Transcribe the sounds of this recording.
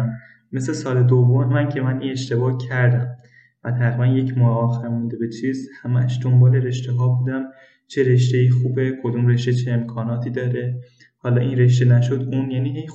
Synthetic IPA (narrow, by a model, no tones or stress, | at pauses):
me̞slesɒːle̞d̪ovːomemænkcʰe̞mæniːneʃt̪e̞bɒːhcʰæɾd̪æm | væt̪ʰæɣɾibænjecʰmɒːɒːxæɾmund̪ebe̞t͡ʃʰiːzhæmæʃd̪ombɒːle̞ɾe̞ʃt̪eɦɒːbuːd̪æm | t͡ʃʰe̞ɾe̞ʃt̪eiːxuːbe̞kʰo̞d̪umre̞ʃt̪et͡ʃʰeːmkʰɒːnɒːt̪ʰiːd̪ɒːɾe | hɒːlɒːʔiːnɾe̞ʃ̬t̪e̞næʃod̪uːnjæːniːɦej